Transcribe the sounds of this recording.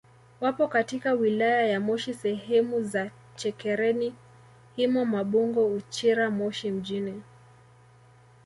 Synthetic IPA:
wapɔkatikawilajajamɔʃisɛhɛmuza | t͡ʃɛkɛɾɛni | himɔmaɓuŋɡɔut͡ʃiɾamɔʃim̩ʄinɛ

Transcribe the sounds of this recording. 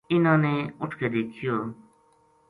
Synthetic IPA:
ɪnãːnẽːʊʈʰkeːd̪eːkʰɪjoː

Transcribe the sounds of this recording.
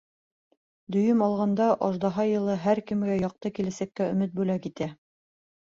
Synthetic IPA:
d̪ɵ̆jɘmɑlˠʁɑnd̪ɑʔɑʒd̪ɑɦɑjɤ̆lˠɤɦæɾkɘ̆mɡæjɑq̚t̪ɤkilæsækːæɵ̆mɘt̪̚bʉlækit̪æ

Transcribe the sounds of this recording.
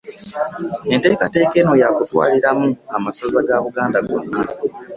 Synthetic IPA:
e̞nte̞ːkate̞ːke̞ːno̞jakutwa̰ːliɾamuamasazaɡaːβuɡaːndaɡo̞̰nːa

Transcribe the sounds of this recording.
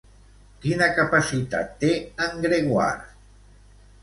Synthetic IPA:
kinakapasit̪a̰t̪ːeəŋɡɾeɣwa̰ɾ

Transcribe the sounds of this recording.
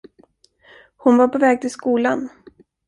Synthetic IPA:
hʊnvaɾpʰɔvɛːɡ̚t̪ʰɪlskuːlan

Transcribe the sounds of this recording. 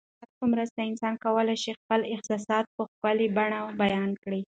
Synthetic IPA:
at̪̚pəmɾəst̪aɪnsɑnkawəlajʃixpəlɪqsɑsɑd̪̚pəxpəlibaɳabajɑnkɽi

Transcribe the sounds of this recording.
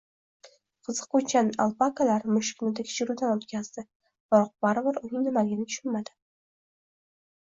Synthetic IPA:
qʰɨzɨqʊt͡ʃʰanalˠpakalaɾmʊʃɪ̥kʲnɪd̪akʲʰɪ̥t͡ʃʰɪɾud̪anot̪kʲaz̥d̪ɪ | b̥ɾɒq̚baɾɪbɪɾʊnɪŋnɪmaɡʲɪnɪkʰʲʊ̥ʃʊnmad̪ɪ̥

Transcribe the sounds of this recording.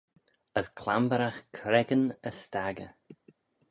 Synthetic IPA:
əskʰlambəɾaxkʰɾɛɡənəst̪aɡə̰

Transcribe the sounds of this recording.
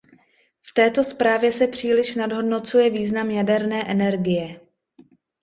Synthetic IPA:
ft̪ɛːt̪o̞spɾaːvjɛsɛpr̝̥iːlɪʃnadɦo̞dno̞t͡sujɛviːznamjadɛɾnɛːʔɛnɛɾɡɪjɛ

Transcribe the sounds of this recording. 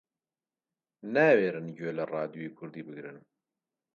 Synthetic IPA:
nɛweːɾɨnɟøːlɛrɑːd̪joiːkʰʊɾd̪iːbɨɡɾɨn

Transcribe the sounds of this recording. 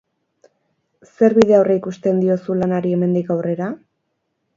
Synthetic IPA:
se̞ɾβiðe̞awreikust̪e̞nd̪io̞sulanaɾie̞me̞nd̪ikawre̞ɾa

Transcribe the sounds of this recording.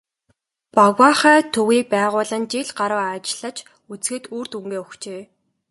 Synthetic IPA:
paɣwaːχæːt̪ʰɵɣiːk̚pæːʁʊːɮə̆nt͡ɕiɮɢaɾə̆ːat͡ɕɪɮə̆t͡ɕ | ut͡sɡɘ̆t̪uːrt̪uŋɡeːʊxt͡ɕeː

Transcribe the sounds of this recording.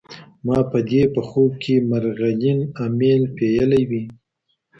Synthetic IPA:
mɑpəd̪epəxob̚kʰemaɾɣajinamenpejəlajwi

